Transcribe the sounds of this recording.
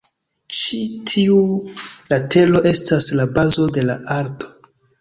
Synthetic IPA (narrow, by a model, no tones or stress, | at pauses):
t͡ʃitʰiulatʰe̞lo̞ʔe̞staslabazo̞de̞laaɾto̞